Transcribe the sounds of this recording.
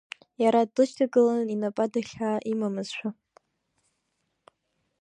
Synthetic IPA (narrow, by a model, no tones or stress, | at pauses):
jaɾadlɨʃtʰaɡɨlaninapʼadaχʲaːʔimamɨz̥ʃʷʰᶣa